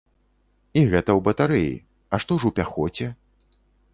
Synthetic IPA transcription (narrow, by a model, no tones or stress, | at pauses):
iɣɛt̪ɐwbɐt̪aɾɨjḭ | ɐʂt̪ɔwʐuwpʲaxɔt͡sʲɛ